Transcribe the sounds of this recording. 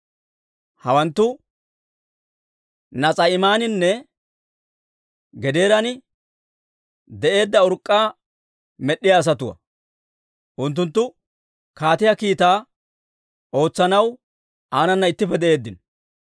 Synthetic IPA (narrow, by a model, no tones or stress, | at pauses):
hɐwɐnt̪ːʊ | nɐt͡sʼɐɪmaːnɪnːɛ | ɡɛd̪e̞ːɾɐnɪ | d̪ɛʔe̞ːd̪ːɐʊɾkʼːaː | mɛɗːɪjaːs̬ɐt̪ʊwɐ̰ | ʔʊnt̪̬ːʊnt̪ːʊ | kaːt̪ɪjɐkiːt̪aː | o̞ːt͡sːɐnɐw | aːnɐnːɐɪt̪ːɪfɛd̪ɛʔe̞ːd̪ːɪn